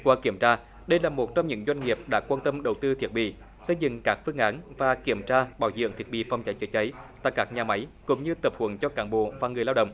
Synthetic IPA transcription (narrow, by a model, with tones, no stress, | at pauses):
kwaː˨˦ki˧˩əmt͡ɕaː˧ | ɗə˧jlaː˨˩mo˨˩t̚t͡ɕɔ˧wŋ͡mɲɨ̰˧˥ŋzwa˧jŋ̟ŋi˨˩əp̚ɗa̰ː˧˥kwaː˧nt̪ə˧mɗə˨˩wt̪ɨ˧t̪ʰi˨˩ət̚ɓḭ˧˨ | sə˧jzɨ̰˧˨ŋkaː˦˥k̚fɨ˧əŋʔaː˨˦nvaː˨˩ki˧˩əmt͡ɕaː˧ɓaː˧˩wzɨ̰˧˨əŋt̪ʰi˨˩əɓḭ˧˨fa˧wŋ͡mt͡ɕa˨˦jt͡ɕə˨˦jt͡ɕə˨˦jt̪a̰ː˧˨jkaː˦˥k̚ɲaː˨˩ma˨˦jkʊ̰˧˥ŋ͡mɲɨ˧t̪ə˨˩p̚hwə˨˧˩nt͡ɕɔ˧kaː˨˦nɓo̰˧˨vaː˨˩ŋɨ˨˩əjlaː˧wɗə̰˧˨wŋ͡m